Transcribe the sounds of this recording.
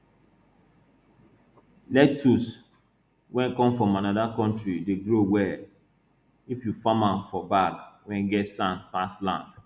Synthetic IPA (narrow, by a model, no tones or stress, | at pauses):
lɛk̚tus | wɛ̃nkɔ̃mfɹɔ̃manadakɔ̃ntɾideɡɾowɛ | ifjufamãnfɔbakwɛ̃nɡɛtsãnpaslã̰nd